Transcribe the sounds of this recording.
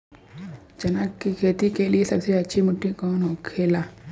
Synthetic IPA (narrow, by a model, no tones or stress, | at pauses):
d͡ʒɐnakːikʰeːt̪ikeliesɐbseɐtːʃʰimʊʈːikɔːnɦokʰeːlaː